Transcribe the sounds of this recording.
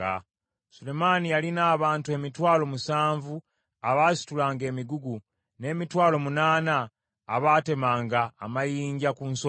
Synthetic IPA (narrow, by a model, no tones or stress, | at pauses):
a | sule̞manijalinaːβaːntue̞mitwaːlo̞musaːɱvu | aβaːsi̥tulaːŋɡe̞ːmiɡuɡu | ne̞ːmitwaːlo̞munaːnaː | βaːte̞maːŋɡaːmajiːɲɟakunso